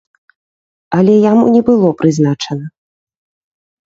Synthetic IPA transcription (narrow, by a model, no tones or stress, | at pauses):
ɐlʲɛjamṵnʲɛbɨlˠɔpɾɨznat͡ʂɐnɐ